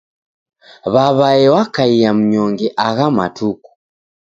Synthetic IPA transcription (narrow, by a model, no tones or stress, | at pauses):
βaβajewakaijamuɲoŋɡeʔaɣama̰tuku̥